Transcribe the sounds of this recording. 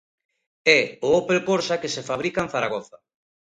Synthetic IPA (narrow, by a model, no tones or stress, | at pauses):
ɛʊopelpoɾsakesefaβ̞ɾikaẽnθaɾaɣ̞oθa